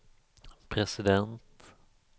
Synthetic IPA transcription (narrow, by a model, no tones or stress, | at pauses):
pʰɾɛsɪd̪ɛnt̪